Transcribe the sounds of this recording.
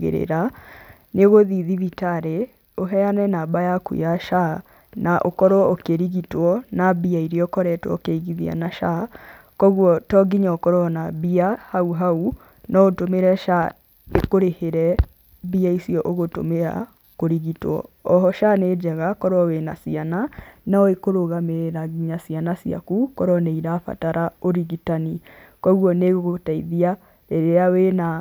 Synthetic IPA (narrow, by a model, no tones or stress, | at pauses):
ɣḛɾḛɾa | neɣoðiðiðitaɾe | oɦɛanɛnaːbajakṵjaʃa | nʔaʔokɔɾowɔokeɾiɣitwɔnabiaiɾiɔkɔɾɛtwɔ̰okeiɣiðia̰naʃa | kɔɣwɔtɔɡiɲaokɔɾoɔnabiahauɦau | nɔotomeɾɛʃa | ekoɾeheɾɛ | βiaisiɔʔoɣoto̰mea̰ | koɾiɣitwɔ̰ːɦɔʃaned͡ʑɛɣakɔɾɔwena̰siananaɔekoɾoɣameɾaɣiɲasianasia̰kukɔɾɔneiɾafa̰taɾʔaoɾiɣitani | kɔɣwɔneɣoɣotaiðia | eɾeawena